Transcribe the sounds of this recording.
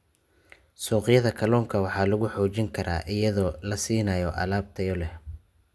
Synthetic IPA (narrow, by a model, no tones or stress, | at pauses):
sɔːqɪjɐðɐkʰɐlɔːŋkʰɐwɑħɑːlʊɣʊħɔːt͡ʃɪŋkʰɐɾʔa̰ːʔɪjɐðɔːlɐsiːnɐjɔʔɐ̰laːb̚t̪ʰɐjɔlɛh